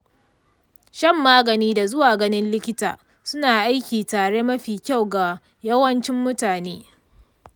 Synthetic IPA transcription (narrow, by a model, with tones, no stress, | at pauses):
ʃɐ˦mːaː˦ɡɐ˨niː˦da˨zʊ˦waː˨ɡɐ˦nɪ˦nlɪ˦kʲɪ˦ta̰ː˨ | sʊ˦naː˨ʔa˦jkʲiː˨taː˨ɽe˦mɐ˦ɸiː˨kʲa˦˨wɡa˨ | jɐ˦wɐ˦nt͡ʃɪ˦mːʊ˦taː˨neː˦